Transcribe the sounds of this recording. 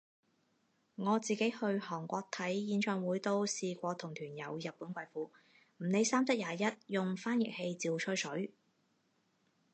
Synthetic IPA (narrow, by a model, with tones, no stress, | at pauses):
ŋɔː˨˧t͡siː˨ke˨˥jhɵ˧ɥhɔː˨˩ŋkʷɔː˧k̚t̪ʰɐ˨˥jːiː˨˥nt͡ʃʰœː˧ŋwuː˨˥jt̪o˥wsiː˨˧kʷɔː˧t̪ʰʊ˨˩ŋt̪ʰyː˨˩njɐ˨˧wjɐ˨t̚pːuː˨˥nkʷɐ˧jfuː˨˧ | m̩˨˩ne˨˧jsaː˥mt͡sɐ˥k̚jaː˨˧jɐ˥t̚jʊ˨ŋfaː˥njɪ̰˨k̚he˧jt͡siː˨wt͡ʃʰɵ˥sɵ˨˥ɥ